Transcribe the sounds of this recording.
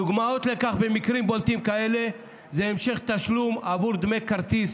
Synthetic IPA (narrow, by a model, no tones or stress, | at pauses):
duɡmao̞t̪lekaχbemikʁimbolt̪imkae̞le | zeemʃe̞χt̪aʃlumavuʁd̪mekaʁt̪is